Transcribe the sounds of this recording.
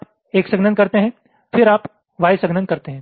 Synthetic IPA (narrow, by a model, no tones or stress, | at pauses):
p | eːksəɡnənkɐɾt̪eɦɛ̃ | fʰɪɾaːp | ʋaːjsəɡnənkɐɾt̪eɦɛ̃